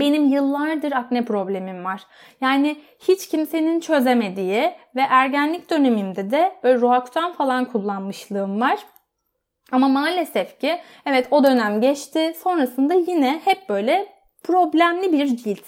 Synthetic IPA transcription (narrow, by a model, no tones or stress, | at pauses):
be̞nimjɯlˠːaɾd̪ɯɾaknɛpɾo̞blʲe̞mimvaɾ̥ | jaːnɪ | hit͡ʃcʰimse̞nint͡ʃʰø̞ze̞me̞d̪ijivɛʔæɾɟænlʲicd̪ø̞nemimd̪ɛd̪ɛb̥øːlʲɛɾoakt̪ʰanfalˠankʰulˠːanmɯʃlˠɯɯmvaɾ̥ | amamaːlʲe̞sɛfcʰi | ɛvɛt̪ʰo̞d̪ø̞næmɟɛt͡ʃt̪ʰɪso̞nɾasɯnd̪ajinɛhɛp̚bø̞jlʲɛ | pʰɾo̞blʲæmlʲibiɾd͡ʒilʲt̪